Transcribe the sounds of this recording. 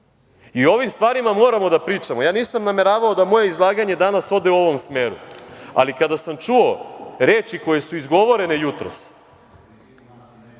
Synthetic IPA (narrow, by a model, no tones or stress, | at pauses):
io̞ʋimst̪ʋaːɾimamo̞ːɾamo̞d̪apɾiːt͡ʂamojaːniːsamname̞ɾaːʋao̞d̪amo̞je̞izlˠaːɡaɲe̞d̪anaso̞d̪e̞uo̞ʋo̞msme̞ːɾṵa̰likad̪asamt͡ʃuo̞ɾe̞ːt͡ʃiko̞je̞suizɡo̞ʋo̞ɾe̞ne̞jut̪ɾo̞̰s